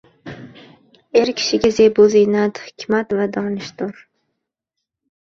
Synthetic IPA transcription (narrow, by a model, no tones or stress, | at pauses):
eɾkʲʰɪ̥ʃɪɡʲazejbozijnat̪hɪ̥kʲmat̪vad̪ɒnɪʃt̪ʊɾ